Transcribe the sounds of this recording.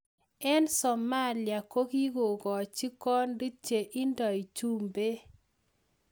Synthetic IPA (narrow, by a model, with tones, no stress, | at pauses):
ɛ˦nsɔ˨ma˦lja˨ko˦ki˦ɡo˨ɡɔ˨t͡ʃi˦kɔ˦ndi˦t͡ʃe˨ʔi˦ndɔ˨i˨t͡ʃu˦mbe˦